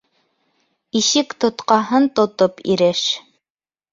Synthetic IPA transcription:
iʃɘkt̪ŏt̪qɑɦɤnt̪ŏt̪opḭɾɘʃ

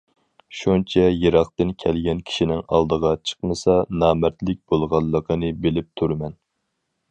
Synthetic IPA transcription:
ʃunt͡ʃʰɛjeɾɑχt̪ɨnkʲʰɛlɡʲɛnkʲʰi̥ʃinɪŋɑ̰lˠd̪əʁɑt͡ʃʰə̥qməsɑnɑːmɛt̪lɪk̚ʲb̥olˠʁɑlˠːəqʰənɨbelɪp̚t̪ʰuɾmɛn

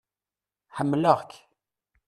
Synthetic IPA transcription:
ħəmːləʁk

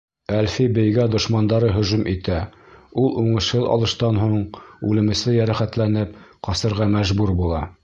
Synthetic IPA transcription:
ælfibɘ̆jɡæd̪ŏʃmɑnd̪ɑɾɤɦɵ̆ʒʉmʔit̪æulˠuɴɤ̆ʃhɤðɑ̰lˠɤ̆ʃt̪ɑnɦuɴʉlɘ̆mɘ̆sɘjæɾæχæt̪lænɘpqɑsɤ̆ɾʁɑmæʒbuɾbulˠɑ

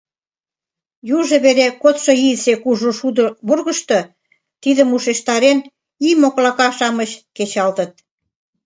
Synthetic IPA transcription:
juʒĕβeɾekot̪ʃŏisekuʒuʃud̪βurɣə̆ʃt̪ɤ̆ | t̪iðəmuʃeʃt̪ɑɾen | imoklɑkɑʃɑməɕket͡ɕɑlt̪ə̆t̪̚

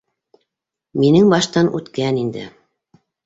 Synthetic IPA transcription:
minɘŋbɑʃt̪ɑnʔʉt̪kænind̪ɘ̰

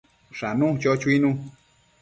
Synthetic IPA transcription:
ʂanũt͡ʃot͡ʃuinũ

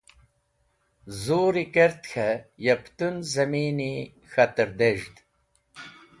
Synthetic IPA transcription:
zuːɾikeɾt̪xʰɐjɐpt̪unzɐmiːni | xɐt̪əɾd̪eʒd̪

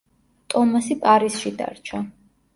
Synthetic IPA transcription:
t̪ʼɔmasipʼaɾisʃid̪a̰ɾt͡ʃʰa

